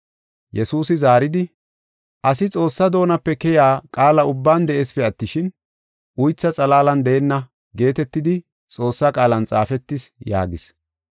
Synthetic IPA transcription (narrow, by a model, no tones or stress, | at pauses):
jɛsuːsɪzaːɾɪd̪ɪ | ʔɐsɪt͡sʼo̞ːsːɐd̪o̞ːnɐpːɛkɛjaːkʼaːlɐʊbːaːnd̪ɛʔeːspɛɐt̪ːɪʃɪn | ʔʊjt͡sːɐt͡sʼɐlaːlɐnd̪ɛɛnːɐ | ɡe̞ːt̪ɛt̪ːɪd̪ɪ | t͡sʼo̞ːsːɐkʼaːlɐnt͡sʼaːfɛt̪ːɪsja̰ːɡɪs